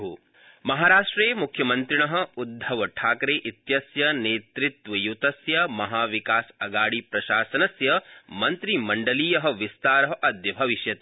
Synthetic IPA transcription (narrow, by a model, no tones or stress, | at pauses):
ɦu | mɐɦaːɾaːʂʈɾeːmukʰjɐmɐnt̪ɾiɳɐɦɐ̆ud̪ʱːɐʋɐʈʰaːkɾeːʔit̪jɐsjɐneːt̪ɾit̪ʋɐjut̪ɐsjɐmɐɦaːʋikaːsɐɡaːɽipɾɐʃaːsɐnɐsjɐmɐnt̪ɾimɐɳɖɐliːjɐɦɐ̆ʋist̪aːɾɐɦɐʔɐd̪jɐbʱɐʋiʃjɐt̪ː